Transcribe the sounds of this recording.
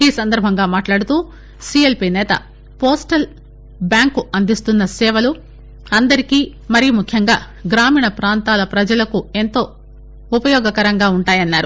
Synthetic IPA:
iːsɐnd̪ɐɾbʱɐŋɡaːmaːʈlaːɽut̪uː | siːelpiːnɛːt̪ɐ̰ | poːsʈɐl | bjaːŋkuɐnd̪ist̪unːɐsɛːʋɐlu | ɐnd̪ɐɾikiː | mɐɾijumukʰjɐŋɡaː | ɡɾaːmiːɳɐpɾaːnt̪aːlɐpɾɐd͡ʒɐlɐkue̞nt̪o̞ː | upɐjɔːɡɐkɐɾɐŋɡaːuɳʈaːjɐnːaːɾu

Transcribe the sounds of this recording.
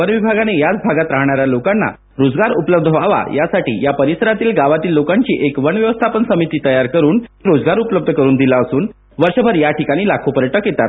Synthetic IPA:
əɾʋibʱaɡanejat͡sbʱaɡat̪ɾaɦɳ̃aɾjalokanːa̰ | ɾod͡zɡaɾupləb̚d̪ʱʋaʋa̰jasaʈḭːjapəɾisəɾat̪iːlɡaʋat̪iːlːokaɲt͡ɕiːʔekʋəɳʋjəʋəst̪ʰapənsəmit̪iːt̪əjaɾkəɾuːniɾod͡zɡaɾupləb̚d̪ʱəkəɾuːnd̪ilaəsuːn | ʋəɾɕəbʱəɾjaʈikaɽ̃iːlakʰopəɾjəʈəkjet̪a̰t̪

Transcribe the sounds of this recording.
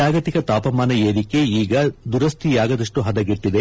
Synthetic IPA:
aːɡɐt̪ikɐt̪aːpɐmaːnɐeːɾike̞iːɡɐd̪uɾɐst̪ʰijaːɡɐd̪ɐʂʈuɦɐd̪ɐɡiʈːid̪e

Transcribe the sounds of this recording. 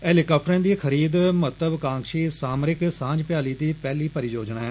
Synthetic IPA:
ɛːliːkaːp̚ʈəɾẽːd̪iːkʰəɾiːd̪mət̪ləbkãːŋkʃiːsaːmɾɪksãːɲd͡ʒpɪjaːliːt̪iːpɛːliːpəɾiːd͡ʒoːd͡ʒɳaːɛː

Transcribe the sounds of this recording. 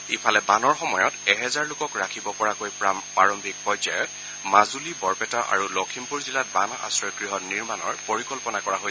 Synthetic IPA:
ipʰalɛbanɔɹxɔmɔjɔtɛɦɛzaɹlʊkɔkɹakʰibɔpɔɹakojpaɹɔmbʱik̚pɔjzajɛ | mazulibɔɹpɛtaʔa̰ɹulɔkʰimpuɹzilat̚banaʔa̰sɹɔjɡɹiɦɔtniɹmanɔɹpoɹikɔlpɔnakɔɹaɦoj

